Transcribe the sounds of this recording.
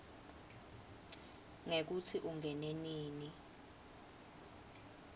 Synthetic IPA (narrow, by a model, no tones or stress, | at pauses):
ŋek̬ut͡sʰiʔuŋʱɛneniːni